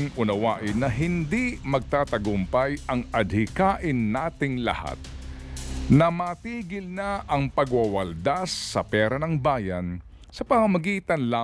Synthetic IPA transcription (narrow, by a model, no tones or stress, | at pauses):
ŋʔʊnɐwaːʔɪnːɐɦɪnd̪imɐɡ̚t̪aːt̪ɐɡʊmpajʔɐŋɐd̪̚hɪkaːʔɪnːaːt̪ɪŋlɐ̰ha̰t̪̚ | nɐmaːt̪iːɡɪlnaʔɐŋpɐɡwɐwɐld̪asːɐpɛːɾɐnɐŋbaːjɐn | sɐpɐmɐmɐɡiːt̪ɐnla